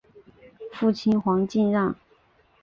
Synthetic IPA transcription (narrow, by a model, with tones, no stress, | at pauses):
fu˥˩t͡ɕʰi˥nxwɑ˧˥ŋt͡ɕi˥˧nɻɑ˥˧ŋ